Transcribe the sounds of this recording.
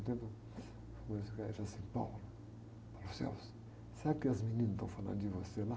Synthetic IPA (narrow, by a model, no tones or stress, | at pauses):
t̪ẽnd̪u | fomsikaʒasĩpa̰wlu | pawlusɛ̰ws | seɾakɪɐzminĩnɐst̪ɐ̰̃w̃falɐ̰̃nd̪ʊdivosela